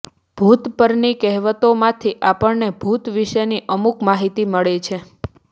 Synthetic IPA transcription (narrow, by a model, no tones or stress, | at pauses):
b̥ʱut̪pəɾnikɛɦʋət̪omãt̪ʰiʔapəɳnebʱut̪ʋiʃəniʔəmukmaɦit̪iməɭet͡ʃʰe